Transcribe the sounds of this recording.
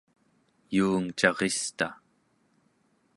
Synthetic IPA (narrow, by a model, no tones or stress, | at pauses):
juːŋt͡ʃɑʁest̪a